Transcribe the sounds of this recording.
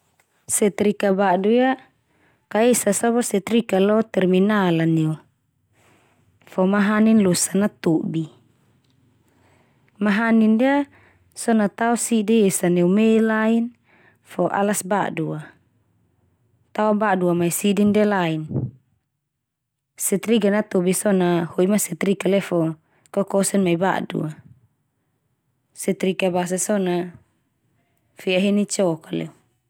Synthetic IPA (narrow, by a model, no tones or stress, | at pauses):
sɛt̪ɾikabaduja | kaesasaβɔsɛt̪ɾikalɔt̪ɛrminalaneu | fɔmaɦaninlosanat̪obi | maɦanindia | sɔnat̪aɔsidiesaneumelain | fɔʔa̰lasba̰dua | t̪aɔbaduamaisidindalain | sɛt̪ɾiɡanat̪obisɔnahoimasɛt̪ɾikalɛfɔ | kɔkɔsɛnmaiba̰dṵa | sɛt̪ɾikabas̬asɔna | fiaɦenit͡ʃɔkalɛ̰u